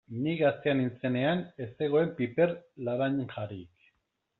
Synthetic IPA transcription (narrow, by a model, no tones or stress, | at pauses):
niɣast̪e̞anint͡se̞ne̞ane̞se̞ɣ̞o̞e̞mpipe̞rlaɾaɲʝaɾik